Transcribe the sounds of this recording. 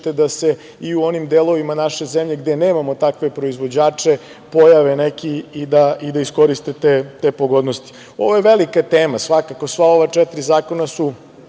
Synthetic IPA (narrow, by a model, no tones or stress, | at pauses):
t̪e̞d̪ase̞ | iuo̞nimd̪elˠo̞ʋimanaʃe̞zemʎe̞ɡd̪eneːmamo̞t̪akʋe̞pɾo̞izʋo̞d͡ʑaːt͡ʂe | po̞jaʋenekiːd̪aid̪aisko̞ɾist̪et̪et̪epoɡod̪nost̪i̥ | o̞ʋojeʋelikat̪eːmasʋakako̞sʋao̞ʋat͡ʂɛt̪ɾizaːko̞nasu